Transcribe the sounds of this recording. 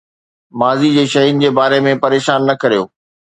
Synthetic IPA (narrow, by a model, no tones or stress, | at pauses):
maːzid͡ʑeːʃɐɦiʊnɪ̆d͡ʑeːbaːɾemẽpɐɾeːʃaːnːɐkɐɾijoː